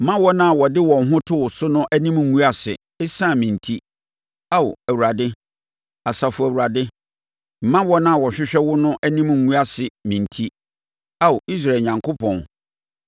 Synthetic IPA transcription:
m̩˨˦mã˦wɔ˦nã˦˨wɔ˨dɪ˦wɔ̃˨n˦ɦʊ̃˦tʰʊ˦wʊ˨sʊ˦nʊ̃˦ʔæ˦nĩ˦m˨ŋ̩˦ŋũ˦a˨sɪ˨ | ɪ˦sã˦˨mĩ˨n˨tʰi˦ | a˦ʊ̰˨æ˨wu˨ɾa˨dɪ˦ | a˨sa˨fʊ˨æ˨wu˨ɾa˨dɪ˦ | m̩˨mã˦wɔ˦nã˦a˨wɔ˨ɕᶣɪ˦ɕᶣɛ˦wʊ˦nʊ̃˦ʔæ˦nĩ˦m̩˨ŋũ˦a˦sɪ˨mĩ˨ntʰi˦ | a˦ʊ˨ʔi˦s̬ɾa˨e˨ɲã˨ŋkʰo˦pʰɔ̃˨n

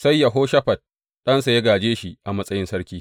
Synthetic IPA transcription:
sɐ˦jːa˨ɦoː˦ʃɐ˦ɸɐ˨t̚ | ɗɐ˦nsa˨jɐ˦ɡaː˨d͡ʒeː˦ʃi˦˨ʔa˨mɐ˦sʼɐ˦jɪ˦nsɐ˦ɽkʲiː˦

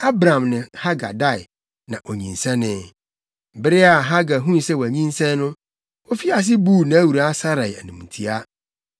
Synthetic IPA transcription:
a˦bɾã˨mnɪ̃˨ha˦ɡa̰˨da˦˨j | nã˨ʔo˨ɲĩ˨nsɛ̃˦nɪ̃˦˨ | bɪ˦ɾɪ˦a˨ɦa˦ɡa˨ɦũ˦n˨sɛ˦wæ˨ɲĩ˦nsɛ̃˦n˦nʊ̃˦ | o˦fi˦a˨s̬ɪ˦bu˦˨nã˨æ˦wu˨ɾa˨˦sa˦ɾa˨jæ˨nũ˨m˨tʰi˨a˦

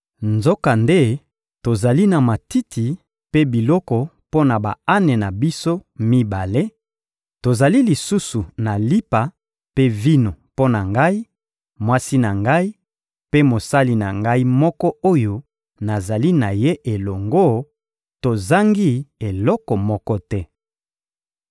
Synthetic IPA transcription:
nzo˦ka˨nde˦ | to˨za˨li˦na˨ma˨ti˦tʰi˨ | pe˦bi˨lɔ˦kɔ˨ | po˦na˨ba̰˨a˦ne˨na˨bi˦so˦mi˦ba˨le˦ | to˨za˨li˦li˨su˦su˨na˨li˦pa˨ | pe˦vi˦no˨po˦na˨ŋɡa˦i˦ | mwa˦si˦na˨ŋɡa˦i˦ | pe˦mo˨sa˦li˨na˨ŋɡa˦i˦mɔ˦kɔ˦o˦jo˦ | na˨za˨li˦na˨je˦ʔe˨lɔ˨ŋɡo˦ | to˨za˦ŋɡi˦e˨lɔ˦kɔ˨mɔ˦kɔ˦tɛ˦

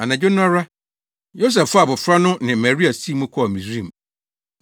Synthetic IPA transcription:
a˨nã˨d͡ʑʊ˦n˦ã˦ɾa˦ | jo˦s̬ɛ˨ffʊ˦a˨bɔ˨fɾa˦nʊ̃˦nɪ̃˨ma˨ɾi˦a˨si˦mũ˦kʰɔ˦˨mĩ˨sɾĩ˦˨m̩˨

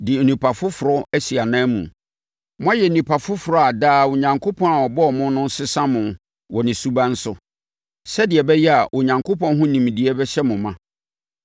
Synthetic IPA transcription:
dɪ˨nũ˨pʰa˨fʊ˦fʊ˨ɾɔ˦æ˦si˨a˨nãː˦mṵ̃˨ | mʊ̃˦a˦jɛ˨nũ˨pʰa˨fʊ˦fʊ˨ɾɔ˦a˨daː˦˨wʊ˨ɲã˨ŋkʰo˦pʰɔ̃˦na˨wɔ˨bɔ˦ɔ˨mʊ̃˦nʊ̃˦n̩˦sɪ˦sã˦mʊ̃˨ | wɔ˨nɪ̃˨su˦ba˦n̩˦sʊ˦ | sɛ˦dɪ˨ɛ˨bɛ˦jɛ˦a˨ʔʊ˨ɲã˨ŋkʰo˦pʰɔ̃˦n˦ɦʊ̃˦nĩ˨m˨di˨ɛ˦bɛ˦ɕɛ˦mʊ̃˨mã˦

